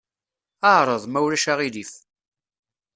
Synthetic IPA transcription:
əʕɾˤəðˤmæwɾæʃaʁilif

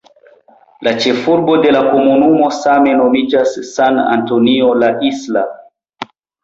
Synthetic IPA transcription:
lat͡ʃe̞fuɾbo̞de̞lako̞munumo̞same̞no̞mid͡ʒasːana̰ntonio̞laʔisla

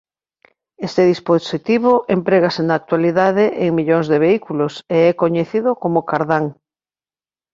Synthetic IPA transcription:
est̪eðisposit̪iβoʔempɾeɣasenaːk̚t̪waliðaðeʔeŋmiʎoŋzðeβeikuloseɛkoɲeθiðokomokaɾðaŋ

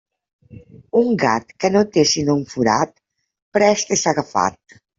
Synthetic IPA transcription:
uŋɡa̰t̪kənot̪esinouɱfuɾat̪̚ | pɾɛst̪esaɣafa̰t̪̚

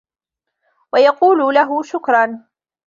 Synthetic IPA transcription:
wajɑquːlʊlaɦʊʃʊkɾˤɑn

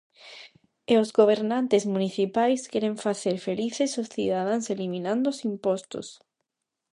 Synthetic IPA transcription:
eozɣoβ̞eɾnãnt̪ezmũniθipajskɛɾẽɱfaθeɾfeliθesosθḭðaðãŋselimĩnãnd̪osimpɔst̪o̰s

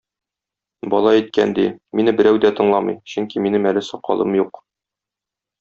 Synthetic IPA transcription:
bɒlˠɑit̪̚kæ̰nd̪iminɘbɘ̆ɾæwd̪æt̪ɤ̆ɴlˠɑmɤ̰jɕɵŋkiminɘmælɘsɒqɒ̰lˠɤmjuq

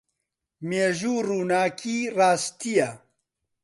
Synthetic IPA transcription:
meːʒuːruːnaːkʰiːraːst̪ijɛ

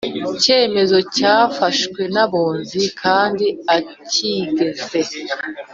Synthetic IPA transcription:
ice̞ːme̞zo̞caːfaʃkwe̞naβoːnzikʰaːndiaciɡe̞ze̞

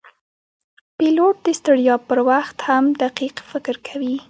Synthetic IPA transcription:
piloʈ̚d̪əst̪aɽjɑpəɾwaxt̪hamd̪aqiqfɪkɾkʰawi

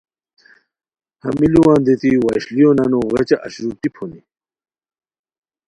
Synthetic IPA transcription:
hɐ̰miliwãːnd̪et̪iwaɕlijonɐnoɣet͡ɕaʔaɕɾut̪ipʰoni

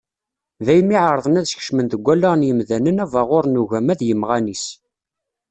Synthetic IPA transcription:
ðæjmiʕəɾˤðˤənæðsçə̥ʃmənt̪əɡʷːælːəʁnjəmðænənævɑʁʊɾnuʝæmæðjəmʁænis

